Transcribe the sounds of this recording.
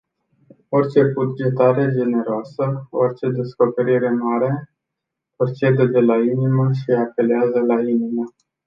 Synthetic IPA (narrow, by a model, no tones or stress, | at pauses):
o̞rʲt͡ʃe̞bud͡ʒe̞t̪aɾe̞d͡ʒe̞ne̞ɾoasəo̰rʲt͡ʃe̞d̪e̞sko̞pe̞ɾiɾe̞maɾe̞ | o̞rʲt͡ʃed̪ed̪e̞lainiməʃiape̞leazəlainimə